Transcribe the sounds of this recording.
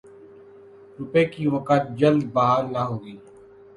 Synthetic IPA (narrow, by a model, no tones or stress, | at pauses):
ɾʊpeːkiʋəkət̪̚d͡ʒəld̪̚baɦaːɾnaːɦoːiː